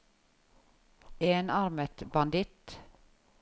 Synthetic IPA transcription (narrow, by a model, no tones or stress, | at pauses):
eːnɑɾmət̪bɑnd̪ɪt̪